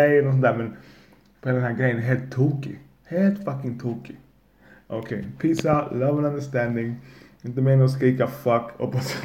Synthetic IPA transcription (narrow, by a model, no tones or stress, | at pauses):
ɛjɛnɔt̪s̬ɔnt̪æːɾmɛ̃n | pɔɦelad̪ɛnɦæːɡɾɛjːənɦeːlt̪ʰːoːkɪ̰ | heːlt̪fakɪ̃ŋt̪ʰoːkɪ | ʔokʰeɪpʰiːsaʊt̪lɐvɛ̃nãnd̪əʂt̪ænd̪ɪŋ | ɪnt̪əmɛɪnoskiːkafɐkɔ̰pɔs